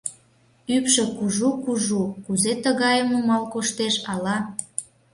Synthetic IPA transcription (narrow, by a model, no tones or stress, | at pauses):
ypʃĕkuʒukuʒukuzet̪əɣɑjəmumɑlkoʃt̪eʃɑlɑ